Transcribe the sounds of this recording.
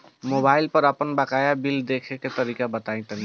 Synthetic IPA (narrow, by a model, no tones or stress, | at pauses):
mobailpəɾapənbakajabild̪ekʰeket̪əɾikabət̪aj̃t̪əl